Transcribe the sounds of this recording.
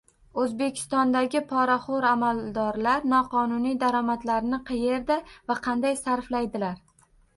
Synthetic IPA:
ɵzbe̞kʲʰɪ̥st̪ɒnd̪aɡʲɪpʰɒɾaχoɾamald̪ɒɾlaɾnɒqʰɒnʊnijd̪aɾɒmat̪laɾnɪqʰɨje̞ɾd̪avaqʰɑnd̪ajsaɾflajd̪ɪlaɾ

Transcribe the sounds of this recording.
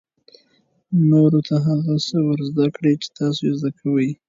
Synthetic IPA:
noɾot̪ʰaɦaɣasəwəɾzd̪akɽet͡ʃe̥t̪ɑsojezd̪akʰawəj

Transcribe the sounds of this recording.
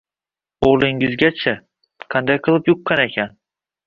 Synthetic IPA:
oʁlˠɪŋɪzɡʲat͡ʃʰa | qʰɑnd̪ajqʰɨlˠɪpjʊqːɑnekʲʰan

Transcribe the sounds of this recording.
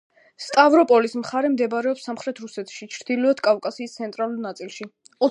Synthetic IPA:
st̪ʼavɾɔpʼɔlismχaɾɛmd̪ɛbɾɛɔpsamχɾɛt̪ʰɾusɛt̪ʰʃit͡ʃʰɾd̪̥ilɔɛd̪̥kʼavkʼasiːst̪sʰɛnt̪ʼɾalulnat̪sʼilˠʃi | ɔ

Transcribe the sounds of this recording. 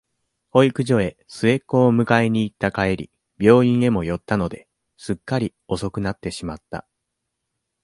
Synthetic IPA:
ho̞ikɯ̟ʑo̞e̞ | sɨe̞kːo̞ːmɯ̟kaeɲ̟iːt̪ːakaeɾʲḭ | b̥ʲo̞ːĩɰ̃e̞mo̞jo̞t̪ːano̞d̪e̞ | sɨkːaɾʲi | o̞so̞kɯ̟nat̪ːe̞ɕimat̪ːa̰

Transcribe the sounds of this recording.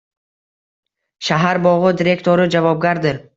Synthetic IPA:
ʃaɦaɾbɒʁɨd̪iɾe̞kt̪ʰoɾɪd͡ʒavɒb̚ɡʲaɾd̪ɪɾ

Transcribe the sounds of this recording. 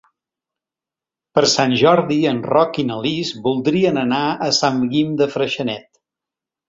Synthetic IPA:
pəɾsanʲʒɔɾðiənrɔkinəlizbulˠd̪ɾiənənaəsamɡimd̪əfɾəʃənɛt̪

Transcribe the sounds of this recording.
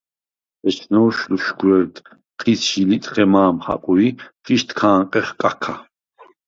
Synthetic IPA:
ɛt͡ʃʰnɔːʃluʃɡɾɛɾt̪ | χʰisʃilit̪ʼχɛmaːmχa̰qʼuiχiʃt̪ʰkʰaːŋqʼɛχkʼakʰa

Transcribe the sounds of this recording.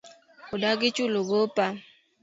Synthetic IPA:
odaɡɪt͡ʃʊloɡopa

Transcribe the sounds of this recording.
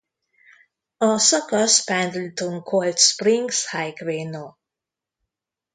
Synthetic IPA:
əsəkəspæ̃ndl̩̚tũnkʰoltspɹĩŋshaɪkɹeno

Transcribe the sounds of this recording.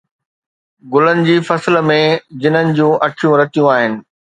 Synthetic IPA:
ɡʊlənɪ̆d͡ʑiːfɐslmẽd͡ʑɪn̤ənɪ̆d͡ʑũːʔɐʈʰijũɾɐt̪ijũaːɦɪnɪ̆

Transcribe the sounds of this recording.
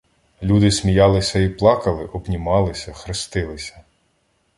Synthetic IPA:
lʲud̪ɪsmʲijɑlˠɪsʲɐiplˠɑkɐlˠɪʔɔbnʲimɑlˠɪsʲɐxɾɪst̪ɪlˠɪsʲɐ̥

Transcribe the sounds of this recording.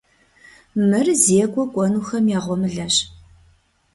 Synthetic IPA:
mɨrzeːkʷʼɔkʷʼɔnuxɐmjaːʁʷɔmɨɮɐɕ

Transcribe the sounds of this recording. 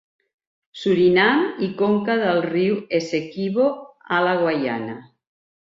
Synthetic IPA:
suɾinamikoŋkaðalˠriwesekiβoalaɣwaja̰na

